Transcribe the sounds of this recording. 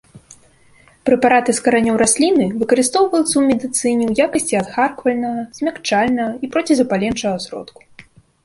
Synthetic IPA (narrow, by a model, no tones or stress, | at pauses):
pɾɛpaɾat̪ɨskɐɾanʲɔwɾʔasʲlʲinɨvɨkɐɾɨst̪ɔwvɐlʲˠt̪sɐwmʲɛd̪ɨt̪sɨnʲiwjakɐsʲt͡sʲiɐd̪xarkvɐlʲnɐɣɐz̥ʲmʲakt͡ʂalʲnɐɣɐipɾɔt͡sʲizɐpalʲɛnt͡ʂɐɣɐsʲɾɔ̰t̪ku̥